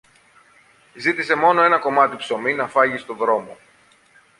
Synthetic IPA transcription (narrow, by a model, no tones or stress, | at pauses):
zit̪ise̞mo̞no̞e̞nɐko̞mɐt̪ipso̞minɐfɐʝist̪o̞ðɾo̞mo̞